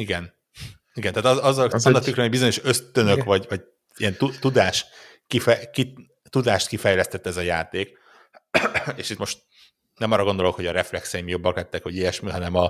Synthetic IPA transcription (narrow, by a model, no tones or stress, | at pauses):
iɡɛn | iɡɛnt̪aːt̪ɒɒzːɒlsonɒt̪ykɾɛɛbizo̞ɲo̞ʃø̞st̪ønøkʋɒɟvɒɟ | iɛnt̪ut̪ud̪aːʃ | kifɛki | t̪ud̪aːʃt̪kifɛjlɛst̪ɛt̪ːɛzɒjaːt̪eːk | eːʃit̪mo̞ʃt̪̚ | nɛmɒːrːɒɡod̪olo̞kho̞ɟɒɾɛflɛksɛjimjo̞bːɒklɛt̪ːɛkhoɟijɛʃmiɦɒnɛmɒ